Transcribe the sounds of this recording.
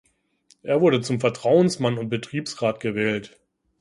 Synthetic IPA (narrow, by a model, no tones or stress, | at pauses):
ʔeːɐvʊɐɾət͡sʊmfɛɐtʁ̥aʊənsmanʊnt̚b̥ətʁ̥iːpsʁaːtɡ̥əvɛːlt